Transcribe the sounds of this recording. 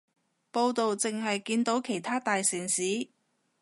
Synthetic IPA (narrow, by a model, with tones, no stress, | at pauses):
po˧wt̪o˨wt͡sɪ˨ŋɦɐ˨jkiː˧nt̪o˨˥wkʰe˨˩jt̪ʰaː˥t̪aː˨jsiː˨˩nsiː˨˥